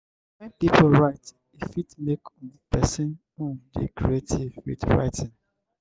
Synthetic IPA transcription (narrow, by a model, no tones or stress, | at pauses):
pipolɹaɪt | ifitmekɔ̃ndəpɛsĩn | ũdḭkɹietʰivḭtɹa̰ɪtʰĩn